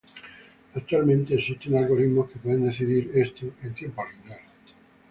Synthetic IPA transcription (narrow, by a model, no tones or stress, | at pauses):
ak̚t̪ualmẽnt̪eːsist̪enalɣ̞o̞ɾiðmoskepweðend̪eθiðiɾest̪uent̪je̞mpoarind̪al